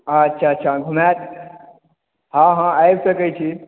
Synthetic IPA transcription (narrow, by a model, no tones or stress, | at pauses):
ətːʃʰaːtːʃʰaɡʱumat̪̚ | ɦãɦãajbsəkəjt͡ʃʰi